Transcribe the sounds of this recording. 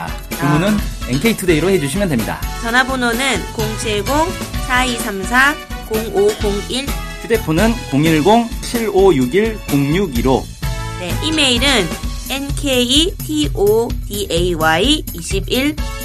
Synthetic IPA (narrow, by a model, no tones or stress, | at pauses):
komunɯnenkʰeitʰude̞iɾohe̞d͡ʑuɕʰimjʌndwemɲida̰t͡ɕʌnɦabononɯnkoŋt͡ɕʰeɡoŋsʰaisʰamsʰakoŋoɡoŋiɭtude̞pʰonɯnkoŋiɭɡoŋt͡ɕʰiɾojuɡiɭkoŋɲuɡiɾo | ne̞ʔime̞iɾɯne̞nkʰeitʰiʔotiʔeiwaiːɕʰibiɭ